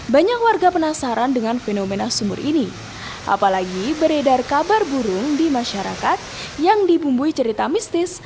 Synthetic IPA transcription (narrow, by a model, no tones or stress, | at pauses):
baɲak̚warɡapənasaɾandəŋanfenomenasumʊ̰rʔini | ʔa̰palaɡibəɾedarkabarbuɾʊŋdimaʃaɾa̰kat̪̚ | jaŋdibumbuit͡ʃəɾit̪amist̪ɪs